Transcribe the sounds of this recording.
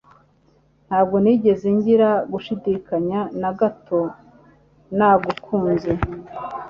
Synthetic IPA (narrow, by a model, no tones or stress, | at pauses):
n̥haːbɡo̞niːɟe̞zeɲɟiɾaɡuʃidikaɲanaɡato̞ | naɡukʰuːnze